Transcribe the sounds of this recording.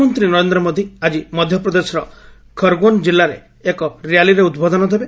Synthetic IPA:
mɔnt̪ɾinɔɾend̪ɾɔmod̪ʱiad͡ʒimɔd̪ʱjɔpɾɔd̪esɔɾɔ | kʰɔɾɡond͡ʒilːaɾḛː | kɔɾijaliɾeud̪bʱɔd̪ɔnɔd̪ʱebe

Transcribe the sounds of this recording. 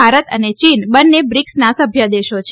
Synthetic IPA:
aɾət̪ə̰net͡ʃinbənːebɾiksnasəbʱjəd̪eʃot͡ʃʰ

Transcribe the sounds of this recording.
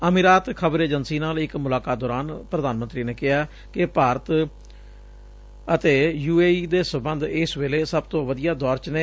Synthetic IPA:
əmiɾaːt̪kʰəbɾeːd͡ʒənsiːnaːlɪkmʊlaːkaːt̪̚d̪ɔːɾaːnpɾəd̪aːnmənt̪ɾiːneːkɪɦaː | kɪpaːɾət̪ | ət̪eːjuːeːiːd̪eːsəmbənd̪ɪsʋeːleːsəb̚t̪õːʋəd̪ijaːd̪ɔːɾt͡ʃneː

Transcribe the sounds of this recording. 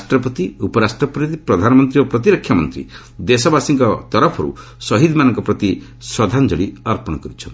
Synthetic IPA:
asʈɾɔpɔt̪iupɔɾasʈɾɔpɾid̪pɾɔd̪ʱanɔmɔnt̪ɾiopɾɔt̪iɾɔkʰːjamɔnt̪ɾḭ | d̪esɔbasiŋkɔt̪ɔɾɔpʰɔɾṵ | sɔɦid̪manɔŋkɔpɾɔt̪i | sɔd̪ʱand͡ʒɔɽiɔɾpɔɽ̃ɔkɔɾit͡ʃʰɔnt̪

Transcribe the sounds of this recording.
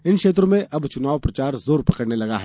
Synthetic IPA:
ɪnʃeːt̪̬ɾõmẽʔɐbt͡ʃʊnaːʋpɾɐt͡ʃaːɾzoːɾpɐkəɽnelɐɡaɦɛː

